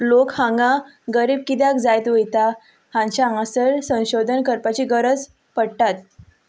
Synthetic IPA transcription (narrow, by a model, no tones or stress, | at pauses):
lokhãŋɡa | ɡəɾiːb̚kid̪jakd͡zajt̪ʋejt̪a | hãɲt͡ɕaãsəɾsə̃w̃ɕod̪ʱənkəɾpat͡ɕiːɡəɾəd͡z | pəɽʈat̪̚